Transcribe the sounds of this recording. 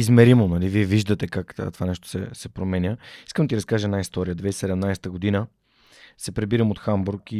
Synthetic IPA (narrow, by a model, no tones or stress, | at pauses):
izmɛɾimonɐliviɛviʒd̪ət̪ɛkakt̪ovanɛʃt̪o̥sɛ̰sɛpɾomɛnʲəiskəmd̪ɐt̪iɾəskaʒəɛnaist̪ɔɾijəd̪vɛissɛd̪ɛmnajst̪əɡʊd̪inə | sɛpɾɛbiɾəmot̪xambuɾki